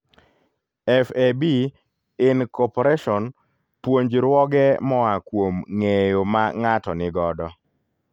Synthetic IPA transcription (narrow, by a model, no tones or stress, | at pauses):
ɛfebi | ɪnkɔpoɾeʃɔn | pwoɲd͡ʒɾwɔɡɛmɔakwomŋejomaŋatɔnɪɡɔdɔ